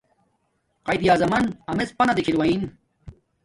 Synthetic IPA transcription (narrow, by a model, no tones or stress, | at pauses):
qɐjd̪jaːzɐmɐnɐmet͡spɐnɐd̪ikʰilwɐin